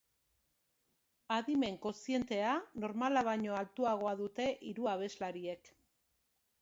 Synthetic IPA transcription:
aðime̞ŋko̞nsie̞nt̪e̞ano̞ɾmalaβ̞aɲo̞alt̪uaɣ̞o̞aðut̪e̞ʔiɾuaβ̞e̞zlaɾie̞k

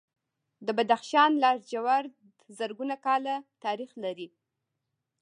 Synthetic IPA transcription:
d̪əbad̪axʃɑnlɑɾd͡ʒawaɾd̪ | zəɾɡunakɑlat̪ɑɾixlaɾi

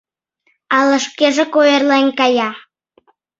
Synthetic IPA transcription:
ɑlə̆ʃkeʒekoerlenʲkɑjɑ

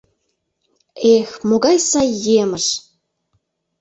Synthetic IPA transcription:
exmoɣɑjsɑjːeməʃ

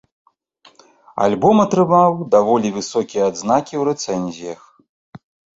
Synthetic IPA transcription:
a̰lʲbɔmɐt̪ɾɨmawd̪avɔlʲivɨsɔkʲijɐːd̪znakʲiwɾɛt̪sɛnʲzʲijɐx

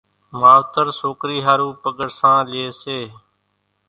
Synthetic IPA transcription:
maːʋt̪əɾsoːkɾiːɦaːɾuːpəɠəɾsãːleːseː

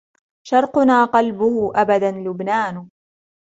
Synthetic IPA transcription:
ʃɑɾˤqʊnaːqɑlbʊhʊʔabad̪anlʊbnaːn

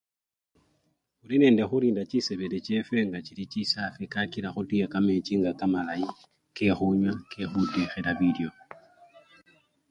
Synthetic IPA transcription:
uɾineːndexuɾiːndat͡ʃiseβeɾet͡ʃefeŋɡat͡ʃiɾit͡ʃisafikakiɾaxutiakamet͡ʃiŋɡakamalai | kexuɲwakexutixeɾaβideo

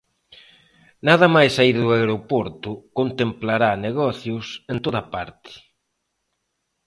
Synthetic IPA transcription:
naðɐmajsaiɾðʊaeɾopoɾt̪ʊkont̪emplaɾaneɣɔθjʊsent̪oðɐpaɾt̪ɪ̥

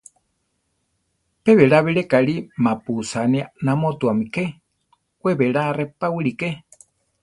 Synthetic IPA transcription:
peβeɺaβiɺekaɺimãpusanianamõt̪uamĩke | weβeɺarepawɨɺike

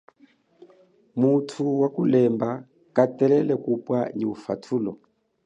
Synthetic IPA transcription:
mutʰuwakulɛmba | katɛlɛlɛkupwaniufa̰tʰulɔ

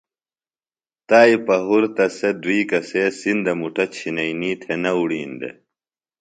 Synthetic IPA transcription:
t̪aːipɐɦuɾt̪ɐsed̪uiːkɐseːsind̪ɐmuʈʰɐt͡ɕʰinɐiniːt̪ʰenɐuɽiːnd̪ḛ

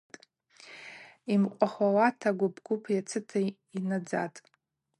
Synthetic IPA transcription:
tʼ | imqʷʼaχawatʰaɡʷʊbɡ̥ʷʊpʰjat͡sʰɨtʰa | inad͡za̰tʼ

